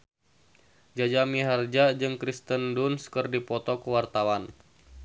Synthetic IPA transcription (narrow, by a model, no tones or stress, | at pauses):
d͡ʒad͡ʒamiɦard͡ʒad͡ʒɨŋkɾist̪əndunskərdipɔt̪ɔkuwart̪awan